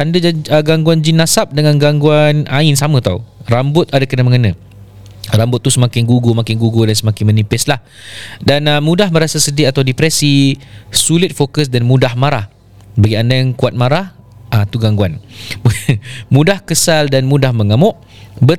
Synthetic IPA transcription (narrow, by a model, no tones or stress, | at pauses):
andad͡ʒəɡaŋɡuand͡ʒinasap̚dəŋãnɡaŋɡuanaɪnsamə̃t̪aurambʊt̪adakənaməŋənã | rambʊt̪̚ːusəmakɪŋɡuɡomakɪŋɡuɡodansəmakɪŋmənipɪslah | danəmũdahmə̃ɾasasədiat̪awdipɾɛsisulɪt̪̚fokəs̬danmũdahmaɾah | baɡiandajaŋkuat̪̚maɾah | ʔat̪uɡaŋɡuan | mũdahkəsaldanmũdahməŋamʊʔ | bə